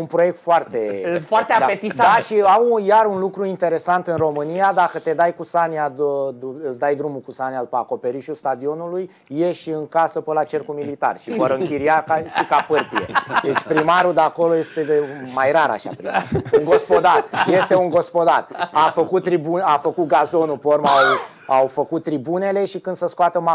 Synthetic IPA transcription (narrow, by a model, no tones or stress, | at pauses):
unpɾo̞jek̚t̪foart̪e̞fart̪ead̪pet̪isad̪aʃiawujaɾunlukɾuint̪e̞ɾe̞sant̪ɨnro̞mɨnijad̪akət̪e̞d̪ajkusaniad̪uɨsd̪ajd̪ɾumukusaniad̪upəako̞pe̞ɾiʃust̪ad̪io̞nulujː | eʃɨŋkasəpəlat͡ʃe̞rkumilit̪a̰rʃiəɾəɨkʲiɾiakaʃikapərt̪ied̪et͡ʃʲpɾimaɾud̪eako̞lo̞je̞st̪e̞d̪emajraɾa̰ʃa̰pɾima̰ɾuŋɡo̞spo̞d̪arje̞st̪e̞uŋɡo̞spo̞d̪arafəkut̪̚ːɾibunafəkut̪̚ɡazo̞nupormaw | awfəkut̪ːɾibune̞le̞ʃikɨnd̪̥səskoat̪əma